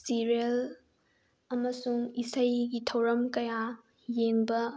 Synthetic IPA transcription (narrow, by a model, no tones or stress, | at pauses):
siɾiel | ɐmɐsuŋisɐjɡitʰɐwɾɐmkɐja | jeŋbɐ